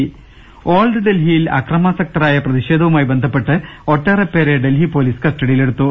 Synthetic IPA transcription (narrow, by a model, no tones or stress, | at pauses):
oːlɖɨɖe̞lɦijilɐ̰krɐmɐsek̚ʈɐɾaːjɐprɐðiɕe̞ːd̪ʱɐʋumaːjibe̞nd̪ʱɐpːe̞ʈːɨo̞ʈːɐrɐpːe̞ːɾeɖe̞lɦipo̞ːliːsɨ̥kɐsʈɐɽijile̞ɽut̪ːu